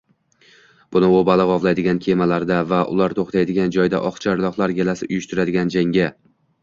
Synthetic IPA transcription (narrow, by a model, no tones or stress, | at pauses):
b̥ʊnɪobalɪʁɒvlˠajd̪ɪɡʲankʲʰe̞malaɾd̪avaʔʊ̰laɾt̪ʰoχt̪ʰajd̪ɪɡʲand͡ʒɒjd̪a̰ʔɒχt͡ʃʰaɾlˠɒqlˠaɾɡʲelasɪʔʊjʊʃt̪ʊɾad̪ɪɡʲand͡ʒaŋɡʲa